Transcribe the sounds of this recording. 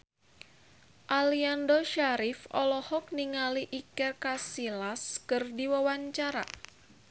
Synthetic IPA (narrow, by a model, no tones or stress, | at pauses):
ʔaliandoʃaɾifɔ̰lɔhɔk̚niŋaliʔikɛrkasilaskɨrdiwawaɲt͡ʃaɾa̰